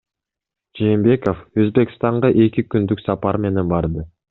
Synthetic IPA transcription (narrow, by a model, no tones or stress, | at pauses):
d͡ʒe̞ːmbe̞ko̞føzbe̞kst̪ɑɴʁɑʔe̞kʲikynd̪yksɑpɑɾme̞ne̞nbɑɾd̪ɯ